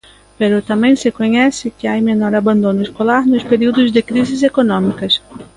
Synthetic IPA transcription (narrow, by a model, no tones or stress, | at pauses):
peɾot̪ɐ̃mẽj̃sɪkõɲɛsɪkɪajmenɔɾabɐ̃nd̪õnʊɪskolaɾnʊspeɾiwd̪ʊzd̪ɪkɾizɪzekonõmikɐs